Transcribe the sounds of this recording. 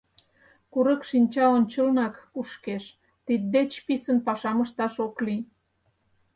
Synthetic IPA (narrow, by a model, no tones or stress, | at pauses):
kuɾəkʃinʲt͡ɕɑont͡ɕəlnɑkuʃkeʃ | t̪id̪̚d̪et͡ɕpisənpɑʃɑməʃt̪ɑʃokli